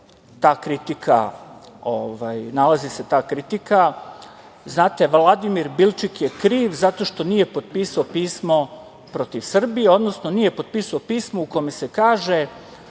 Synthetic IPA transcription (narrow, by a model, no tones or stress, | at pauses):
t̪aːkɾit̪ikʰa̰ | oʋajnalaziset̪aːkɾit̪ika | znaːt̪e̞ʋlˠad̪imiɾbilˠt͡ʃikje̞kɾiːʋzat̪o̞ʃt̪o̞nije̞po̞d̪̚piːsaopiːsmo̞ | pɾo̞t̪iʋsr̩bijeo̞d̪nosno̞nije̞po̞d̪̚piːsaopiːsmo̞uko̞mese̞kaːʒe̞